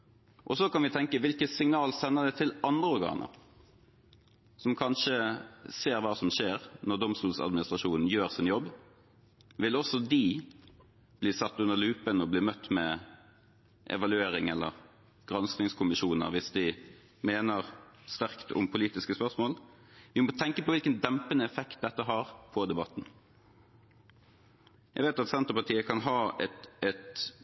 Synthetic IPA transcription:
ʔɔsɔkʰɑnʋɪt̪ʰɛŋkəʋɪlkəsɪŋnɑːlsɛnːəʁd̪ɛt̪ʰɪlʔɑnd̪ʁəɔɾɡɑ̰ːnə̰ɾ | sɔmkʰɑnʂəseːʁʋɑːsɔmʃeːʁnɔʁd̪ɔmst̪uːlsɑ̰d̪mɪnɪst̪ʁɑʂuːnn̩jøːʁsɪnjɔbː | ʋɪlɔsɔd̪ɪ | bliːsɑt̪ːʉnːəʁlʉːpənɔbliːmœt̪ːmɛ | ʔɛ̰ʋɑlʉeːɾɪŋɛlːə̰ʁ | ɡ̥ʁɑnsnɪŋskʰʊmɪʃuːnə̰ʁʋɪsd̪ɪ | meːnəʁst̪æʁkt̪ʰʊ̰mpʰʊliːt̪ɪskəspœʁsmoːl | ʋɪmɔt̪ʰɛŋkəpʰɔʋɪlkənd̪ɛmpənəɛfɛkt̪̚d̪ɛt̪ːəɦɑːʁpʰɔd̪ɛbɑt̪ːn̩ | jæ̰ɡʋeːt̪ɑt̪sɛnt̪əpɑt̪ʰiːəkʰɑnɦɑːɛɛt̪

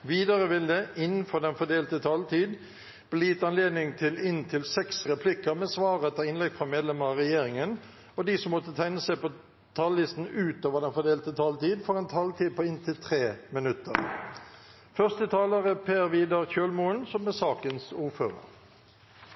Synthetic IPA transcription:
ʋiːd̪ɑʁəʋɪld̪əʔɪnn̩fɔʁd̪ɛnfɔd̪eːlt̪ət̪ʰɑlt̪ʰiːd̪ | b̥liːt̪ɑnleːd̪nɪŋt̪ʰɪlɪnt̪ʰɪlsɛksʁɛpʰlɪkəʁmeːsʋɑːʁəɛt̪əɪnlɛɡfʁɑmeːd̪lɛməʁɑʁɛjeːʁɪŋən | ɔd̪iːsɔmːɔt̪ːət̪ʰæɪnəsæɪpɔ | t̪ʰɑːlːɪst̪n̩ʉːt̪oːʋəd̪ɛnfɔd̪eːlt̪ət̪ʰɑlt̪iːd̪fɔʁɛnt̪ʰɑːlt̪ʰiːd̪̚pʰɔɪnt̪ʰɪlt̪ʰʁeːmɪnʉt̪əʁ | fœʁst̪ət̪ʰɑːləʁəpʰeːʁʋiːd̪əʁçøːlmuənsɔmɛsɑːkənsuːføːʁə̰ʁ

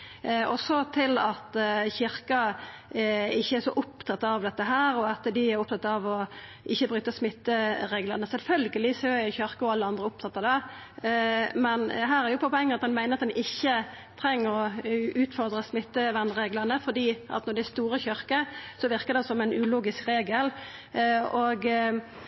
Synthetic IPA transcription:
ɔsɔt̪ʰɪlɑt̪çɪɾkɑ | ɪçːəæɾʂɔʔʊpt̪ʰɑt̪ːɑʋd̪ɛt̪ːəɦæːɾɔɑt̪d̪ɪæɾʊp̚t̪ʰɑt̪ːɑʋɔ | ʔɪçːəbɾʉːt̪ːəsmɪt̪ːəɾeːɡləʁnəsɛlfœlɡəlɪsøːɪçœɾkəɔɑlːəɑnd̪ʁəʊp̚t̪ʰɑt̪ːɑd̪ɛ | mɛnɦæːɾæʁjʊpʰɔpʰɔɛŋːənɑt̪̚d̪ɛnmæɪnəʁɑt̪̚d̪ɛnʔɪçːə | t̪ʰɾɛŋːəɾɔʉːt̪fɔʁd̪ʁəsmɪt̪ːəʋɛnʁeːɡləʁnəfɔd̪iːʔɑ̰t̪nɔɾd̪ɛæst̪uːɾəçœɾkəsɔʋɪʁkəd̪ɛsɔmɛɪnʉːluːɡɪskʁeːɡəl | oɡ

